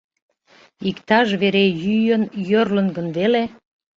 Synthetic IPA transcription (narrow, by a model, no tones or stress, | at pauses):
ikt̪ɑʒβeɾejyjənjørlənɡənβele